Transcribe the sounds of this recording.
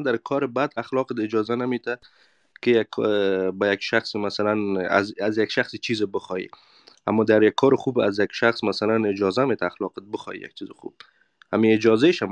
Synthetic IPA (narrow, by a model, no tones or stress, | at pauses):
d̪aɾkʰɔɾɪbad̪axlɔqɪt̪ɪd͡ʒɔzanamet̪a | kɪjakʰːbajakʃaxsmasalana̰zazjakʃaxsit͡ʃʰizɪbəxɔjḭ | a̰mːɔd̪aɾjakʰːɔɾɪxubazjakʃaxsmasalanɪd͡ʒɔzamet̪ʰaːxlɔqɪt̪̚bəxɔ̰jḭja̰k̚t͡ʃʰizɪxṵb̚ | a̰miɪd͡ʒɔzeʃam